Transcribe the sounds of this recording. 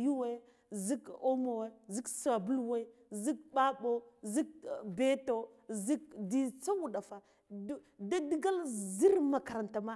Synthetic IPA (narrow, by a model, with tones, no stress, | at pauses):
ju˦we˦ | zi˦ko˦mo˨we˦zi˦ksa˨bu˦lwe˦zi˦k̚ba˦bo˦zi˦k̚be˦to˦zi˦k̚di˨t͡sa˦wu˨da˨fa˨˦ | da˦di˦ɡa˦lzi˦ɾma˨ka˨ɾa˨nta˨ma˦